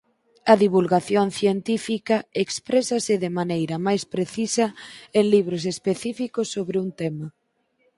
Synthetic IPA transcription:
ɐðiβulɣaθjoŋθjent̪ifikɐekspɾesɐsɪðemanejɾɐmajspɾeθisɐeŋliβ̞ɾos̬espeθifikosːoβɾɪuŋt̪emɐ

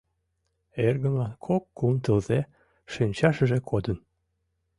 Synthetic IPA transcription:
erɣə̆mlɑnkʰokːumt̪əlze | ʃynʲt͡ɕɑʃə̆ʒekʰod̪ən

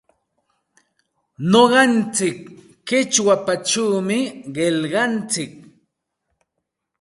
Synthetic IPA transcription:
noɢɑnt͡sɪkː | ɪt͡ʃwapat͡ʃawmɪɢeʎɢɑnt͡sɪk̚

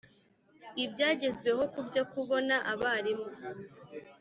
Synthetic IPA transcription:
ibɟaːɟe̞zɡwe̞ɦo̞kubɟakuβo̞naʔaβaːɾimo

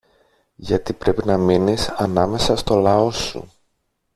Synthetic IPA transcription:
ʝɐt̪ipɾe̞pinɐminisɐnɐme̞sɐst̪o̞lɐo̞sṵ

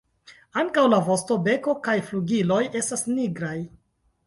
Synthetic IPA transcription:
aŋkawlavo̞sto̞be̞ko̞kajfluɡilo̞je̞stasniɡɾaj

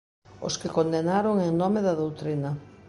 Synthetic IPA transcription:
ʊ̰skɪkond̪enaɾoŋeŋnomeðɐðowt̪ɾinɐ

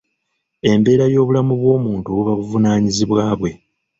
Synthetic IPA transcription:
e̞mbe̞ːɾajo̞ːβulamuβwo̞ːmuːntuβuβaβuvunaːɲiziβwaːβwe̞

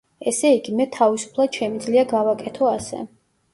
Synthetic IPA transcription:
ɛsɛiɡimɛt̪ʰavisu̥pʰlˠad̪̥ʃɛmid̪zliaɡavakʼɛt̪ʰɔasɛ̰

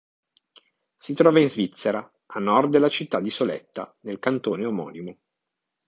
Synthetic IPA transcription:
sit̪ɾɔːvainzvit̪sːeɾa | anːɔrd̪̚d̪elːat͡ʃit̪ːad̪isolɛ̰t̪ːa̰nelkant̪oːneomɔ̰ːnimo

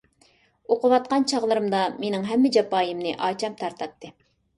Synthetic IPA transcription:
oqəwɑt̪̚qɑnt͡ʃʰɑʁlˠəɾɨmd̪ɑmenɪŋɦɛmːɪd͡ʒɑpɑːjɨmnɨʔɑːt͡ʃʰɑmt̪ʰɑɾt̪ʰɑp̚t̪ʰːɨ

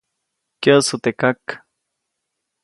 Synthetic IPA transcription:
keasot̪ekak

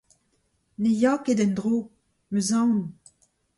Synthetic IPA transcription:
nejɔked̪ɛ̃nd̪ʁo | møzɑ̃n

